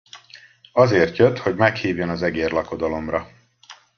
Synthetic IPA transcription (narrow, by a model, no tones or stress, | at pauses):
ɒzeːrt̪jøt̪ho̞ɟmɛkhiːvjønɒzɛɡeːrlɒko̞d̪ɒlo̞mrɒ